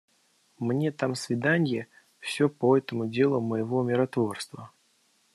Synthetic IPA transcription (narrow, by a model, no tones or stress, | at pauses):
mnʲe̞t̪amsvʲɪd̪anʲjɪ | fsʲopoɛt̪əmʊdʲe̞lˠʊməjɪvo̞mʲɪɾɐt̪vo̞rst̪və